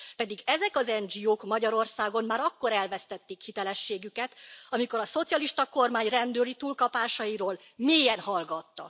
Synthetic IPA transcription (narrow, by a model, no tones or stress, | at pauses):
pɛd̪iɡɛzɛkɒzɛnd͡ʒioːkmɒɟɒɾo̞rsaːɡo̞mmaːɾɒkːo̞ɾɛlvɛst̪ɛt̪ːikhit̪ɛlɛʃːeːɡykɛt̪ɒmiko̞ɾɒso̞t̪sijɒliʃt̪ɒko̞rmaːɲrɛnd̪øːlit̪uːlkɒpaːʃɒjiɾoːl | meːjɛnhɒlɡɒt̪ːɒ̰